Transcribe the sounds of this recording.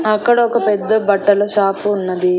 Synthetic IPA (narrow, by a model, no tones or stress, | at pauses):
ɐkːɐɽɐokɐpɛd̪ːɐbɐʈːɐlɐʃaːpuːnːɐd̪i